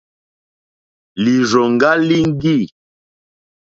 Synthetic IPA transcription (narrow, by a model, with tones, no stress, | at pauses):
li˨zɔ˨ŋ˨ɡa˦li˦ŋ̩˦ɡi˦˨